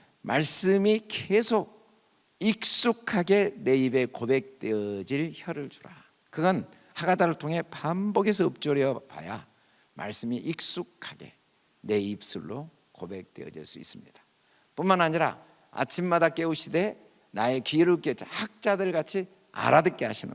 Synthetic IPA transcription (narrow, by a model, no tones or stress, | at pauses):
maɭs͈ɯmikesʰoɡ̚ | ik̚s͈ukʰaɡe̞ne̞ibe̞kobe̞k̚t͈eʌd͡ʑiɭçʌɾɯɭt͡ɕu̥ɾa | kɯɡʌn | haɡadaɾɯɭtʰoŋɦe̞pamboɡesʰʌːp̚t͡ɕ͈oɾiʌpa̰ja | ma̰ɭs͈ɯmiʔik̚s͈ukʰaɡe̞̰ | ne̞ip̚s͈uɭːo | kobe̞k̚t͈eʌ̰d͡ʑḭɭs͈uḭs͈ɯmɲid̥ḁ | punmanɦaɲiɾa̰ | a̰t͡ɕʰimːadak͈e̞uɕʰide̞ | nae̞kiɾɯk͈ehak̚t͡ɕ͈adɯɭɡat͡ɕʰi | a̰ɾadɯk̚k͈eɦaɕʰinɯ̰